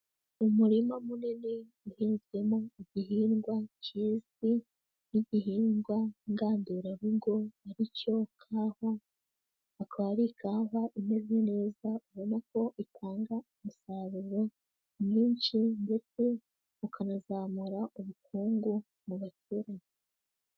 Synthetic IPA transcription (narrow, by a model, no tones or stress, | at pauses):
umuɾimamunene | uhiːnze̞moiɟiɦiːŋɡwat͡ʃizi | niɟihiːŋɡwaiŋɡaːnduɾaβiɡo̞aɾico̞kʰaːho | akaβaɾikʰaːɦaʔimezine̞ːzauβo̞nako̞ʔitʰaːŋɡaumusaβuɾo̞ | miːɲt͡ʃindefu | ukanazaːmuɾauβukʰuːŋɡu | muβatʰuːɾaɲe